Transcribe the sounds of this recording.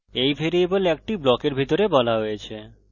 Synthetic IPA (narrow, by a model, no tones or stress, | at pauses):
ejfʰeɾieboleek̚ʈiblɔkeɾbʱit̪oɾebɔlaɦojet͡ɕʰe